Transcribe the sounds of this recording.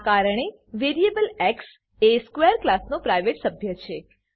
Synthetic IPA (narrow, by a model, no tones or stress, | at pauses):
kaɾəɳ̃e | ʋeɾiebəlɛks | eskʋeəɾklasnopɾajʋeʈsəbʱjət͡ʃʰe